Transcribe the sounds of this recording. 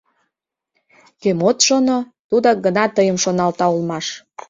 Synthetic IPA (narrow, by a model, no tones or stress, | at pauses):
kemot̪ʃono | t̪ud̪oɡənɑt̪əjəmʃonɑlt̪ɑulmɑʃ